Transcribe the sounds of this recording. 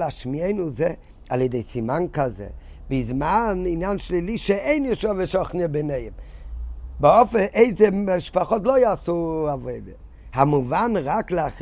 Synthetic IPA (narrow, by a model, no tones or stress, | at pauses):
aʃmieɪnuzɛ | alˠedeɪt͡simaŋkazḛ | bɪzmanɪnanʃliliʃɛeɪniʃɔvəʃɔχnəbeneɪəm | baɔfəʔeɪzeʃpaχɔtlˠoɪasuavoɪdə | hamuvanɾaklaχ